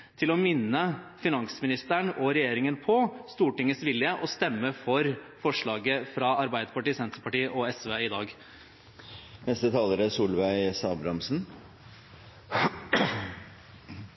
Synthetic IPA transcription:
t̪ʰɪlɔmɪnːəfɪnɑŋsmɪnɪst̪æɳʔɔɾɛjeːɾɪŋənpʰɔst̪uːʈɪŋːəsʋɪljəʔɔst̪ɛmːəfɔɾfɔʂɭɑːɡəfɾɑɑɾbæɪd̪əpɑʈiːsɛnt̪əpɑʈiːʔɔɛsʋeːɪd̪ɑːɡ | nɛst̪ət̪ʰɑːləɾəsuːlʋæɪsɑːbɾɑmsn̩

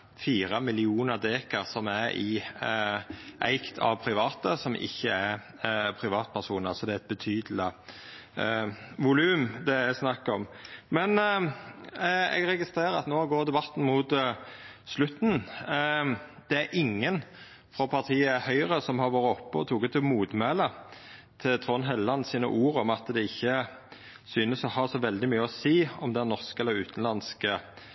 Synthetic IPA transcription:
fiːɾəmɪlɪuːnəʁd̪eːkəʁsɔmæɾɪ | ʔæ̰ɪkt̪ʰɑ̰ʋpʰɾɪʋɑːt̪əsɔmʔɪ̰çːəæɾ | pʰɾɪʋɑːt̪̚pʰæʁʂuːnəʁsɔd̪ɛæɛt̪̚bət̪ʰyːd̪əl̩ɪ | ʋʊlʉːmd̪ɛæɪsnɑkːɔmmɛn | ɛ̰ɡɾɛɡɪst̪ɾeːɾəɑ̰t̪noːɡoːɾd̪ɛbɑt̪ːn̩mʊt̪ | slʉt̪ːn̩ | d̪̥ɛæɾʔɪŋːən | fʁɔpʰɑʁt̪ʰiːəhœʏʁəsɔmhɑʁʋoːɾəɔpːɔɔt̪ʰuːkət̪ʰɪmuːd̪mɛlə | t̪ʰɪlt̪ʰʁɔnɦɛlːɑnsiːnə̰ʔuːɾɔmɑt̪d̪ɛɪçːə | syːnəsɔhɑsɔʋɛld̪ɪmyːəɔsiːɔmd̪ɛnːɔʁskɛlːəɾʉ̰ːt̪ənlɑnskə

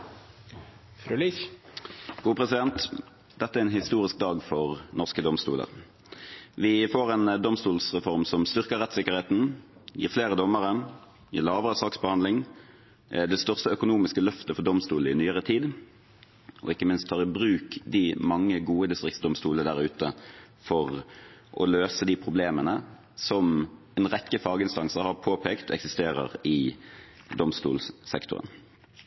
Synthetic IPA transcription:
fɾli | ɡ̥uːpʰʁɛsɪd̪ɛnt̪ | d̪̥ɛt̪ːəæɛɛːnhɪst̪uːʁɪsk̚d̪ɑːɡfɔʁnɔʁskəd̪ɔmst̪ṵːlə̰ʁ | ʋɪfoːʁɛnd̪ɔmst̪uːlsʁɛfɔʁmsɔmst̪ʏʁkəʁɛt̪sɪkːəʁheːt̪n̩jḭːʁfleːʁəd̪ɔmːəʁə | jḭːlɑːʋəʁəsɑːksbəhɑnd̪lɪŋ | d̪ɛst̪œʁst̪əœkʊnuːmɪskəlœft̪əfɔʁd̪ɔmst̪uːl̩ɪnyːəʁət̪ʰiːd̪ | ʔɔ̰ɪkːəmɪnst̪ʰːɑːʁɪbʁʉːkd̪ɪmɑŋːəɡuːəd̪ɪst̪ʁɪksd̪ɔmst̪uːləd̪æʁʉːt̪əfɔʁʔɔ̰løːsəd̪ɪpʰʁʊbleːmənə | sɔm | ɛnʁɛkːəfɑːɡəɪnst̪ɑŋsəʁhɑpʰoːpʰeːkt̪ɛ̰ksɪst̪eːʁə̰ʁɪ | d̪ɔmst̪ṵːlsɛ̰kt̪ʊ̰ʁə̰n

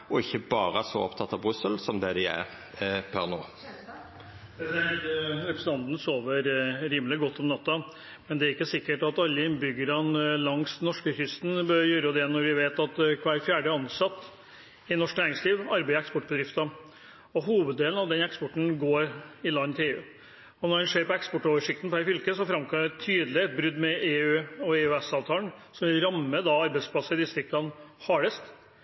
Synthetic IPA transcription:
ɔɪçːəbɑːɾəsɔ̰ɔ̰pt̪ʰɑt̪ːɑʋbʁʉsəlsɔmd̪ɛd̪ɛæ̰ʁ | pʰænoː | ɾɛpɾəsn̩t̪ɑnt̪nsoːʋəɾɾiːmlɪɡɔt̪ːɔmnɑt̪ːɑ | mɛnd̪ɛæɾɪkːəsɪkːəʈɑt̪ɑlːəɪnbʏɡəɾɑlɑŋsnɔʂkəçʏst̪n̩bœɾjøːɾəd̪ɛnɔɾʋɪʋeːt̪ɑt̪kʰʋæːlfjæːɖəɑnsɑt̪ː | ɪnɔʂknæːɾɪŋsliːʋɑɾbæɪəɛkspɔʈːbəd̪ɾɪft̪ɑ | ɔɦuːʋəd̪d̪eːln̩ɑʋd̪ɛnɛkspɔʈɳ̩ɡoːɾɪlɑnːt̪ʰɪleːʉ̰ː | ɔnɔɾɛnʂeːɾpɔɛkspɔʈːɔːʋəʂɪkt̪n̩pʰæɾfʏlkəsɔfɾɑmkʰɔmd̪ɛt̪ʰyːd̪lɪɛt̪̚bɾʉd̪mɛʔeːʉːɔeːʉːɛsɑːʋt̪ʰɑːlnsɔmʋɪlɾɑmːəd̪ɑɑɾbæɪspʰlɑsːəɾɪd̪ɪst̪ɾɪkk̪ɑnhɑːɽəst̪

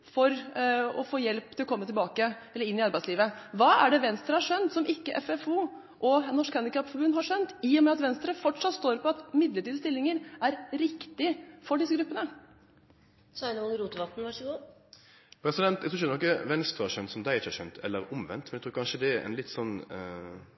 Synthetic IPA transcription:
fɔɾɔfoːjɛlp̚t̪ʰɪlɔkʰɔmːət̪ʰɪlbɑːkəɛlːəɾɪnːɪɑɾbæɪtsliːʋəʋɑːæɖɛʋɛnst̪ɾəhɑɾʂœnt̪sɔmɪkːəʔɛ̰fɛfuː | ʔɔnɔʂkhɑnd̪ɪkɑpfɔbʉnːhɑʂœnt̪ɪɔmɛɑt̪ʋɛnst̪ɾəfɔʈʂɑt̪st̪oːɾpɔɑt̪mɪd̪ləʈiːd̪əst̪ɪlːɪŋəɾæɾɾɪkt̪ɪfɔɖɪsəɡɾʉpːənə | sɑɪnəʊŋɾuːt̪əʋɑt̪n̩ʋɑʂəɡuː | pʰɾɛsɪd̪ɛnt̪ɛɡ̚t̪ʰɾuːd̪ɛnɔkːəʋɛnst̪ɾəhɑʂœnt̪sɔmd̪æɪɪt͡ʃːəhɑʃœ̰nt̪ʰɛ̰lːəɾʊmʋɛ̰nt̪mɛnɛɡt̪ʰuːɾkɑnʂəd̪ɛɛɾɛ̰nlɪt̪ːsɔnː

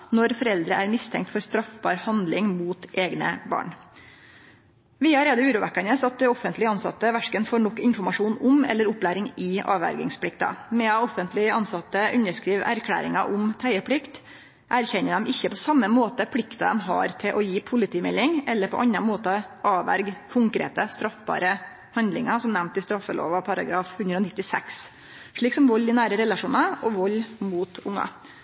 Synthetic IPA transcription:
nɔɾfɔɾɛld̪ɾəʔæɾmɪst̪ʰɛ̰ŋk̚t̪fɔɾst̪ɾɑfbɑːɾhɑnd̪lɪŋmuːt̪ʔeːɡnə̰bɑ̰ːɳ | ʋɪːɑɾeːd̪əʉːɾuːʋækːɑnəsɑt̪̚d̪ɛɔfənt̪lɪɑnsɑ̰t̪ːəʋæʂkənfoːɾɳɔkːɪnfɔɾmɑʂuːnʊmɛ̰lːəɾʊpːlæːɾɪŋɪʔɑ̰ːʋæ̰ɾɡɪ̰ŋspʰlɪk̚t̪ɑ̰mɛɑɔfənt̪lɪɑnsɑt̪ːəʔʉnəʂkɾiːʋæ̰ɾkʰlæ̰ːɾɪ̰ŋɑʔʊmt̪ʰæɪəpʰlɪkt̪ | ʔæɾçɛnːəd̪ɛmɪçːəpʰɔsɑmːəmoːt̪əpʰlɪkt̪ɑd̪ɛmɦɑ̰ːɾt̪ʰɪlʔɔjiːpʰʊlɪt̪ʰiːmɛlːɪŋʔɛlːəɾpʰɔ̰ʔɑnːɑmoːt̪əʔɑːʋæ̰ɾɡkʰʊŋkɾḛːt̪əst̪ɾɑfbɑ̰ːɾə | hɑnd̪lɪŋɑsɔmnæmnt̪ɪst̪ɾɑfːəlo̰ːʋɑpʰɑɾɑ̰ɡɾɑːfhʉnd̪ɾəɔnɪt̪ːɪsɛ̰ks | ʂɭiːksɔmʋɔlːɪnæːɾəɾɛlɑʂuːnɑʔɔʋɔlːmuːt̪ʊŋːɑ̰

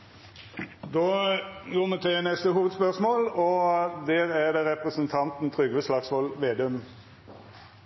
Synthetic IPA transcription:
d̪oːɡoːmɛt̪ʰɛlænɛst̪əɦuːʋəd̪spœʁsmoːlɔd̪eːɾæd̪eːɾɛpʁəsənt̪ʰɑnt̪n̩t̪ʰʁʏɡʋəslɑːɡsʋɔlʋeːd̪œm

